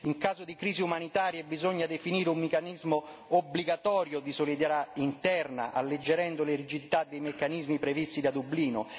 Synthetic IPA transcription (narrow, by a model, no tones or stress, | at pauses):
iŋkaːzʊd̪ikɾiːziumanit̪aːɾjebizɔɲːad̪efiniːɾeumːekanizmʊobliɡat̪ɔːɾjʊd̪isolid̪ɛɾaint̪ɛrna̰ʔa̰lːed͡ʒːeɾɛnd̪ʊleɾid͡ʒid̪it̪ad̪ːejmekːanizmipɾevist̪id̪ad̪ubliːnʊ